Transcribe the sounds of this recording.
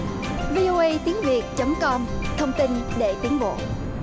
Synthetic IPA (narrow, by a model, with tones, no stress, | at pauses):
vi˧ʔo˧ʔə˧jt̪i˨˦əŋvi˨˩ət̚t͡ɕə˨˦mkɔ˧mt̪ʰə˧wŋ͡mt̪i˧nɗe˧˩t̪i˨˦əŋɓo̰˧˨